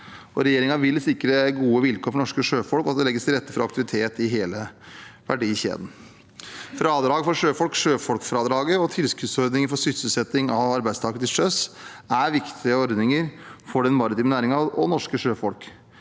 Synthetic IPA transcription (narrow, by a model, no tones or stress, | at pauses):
ʔɔɾɛjeːɾɪŋɑʋɪlːsɪkːɾəɡuːəʋɪlkʰoːɾfɔɳɔʂkəʂøːfɔlkɔɑt̪̚d̪ɛlɛɡːəst̪ʰɪlɾɛt̪ːəfɔɾɑkt̪ɪʋɪt̪ʰeːt̪ɪɦeːləʋæ̰ɖiːçḛːd̪n̩ | fɾɑːd̪ɾɑːɡfɔɾʂøːfɔlkʂøːfɔlkfɾɑd̪ɾɑːɡəɔt̪ʰɪlskʉt̪sɔɾd̪nɪŋəɾfɔsʏst̪əsəsɛt̪ːɪŋɑʋɑɾbæɪd̪st̪ɑːɡkət̪ʰɪlʂøs | æɾʋɪkt̪ʰɪəɔɾd̪nɪŋəɾfɔɖɛnmɑɾɪt̪iːmənæːɾɪŋɑɔnɔʂkəʂøːfɔlk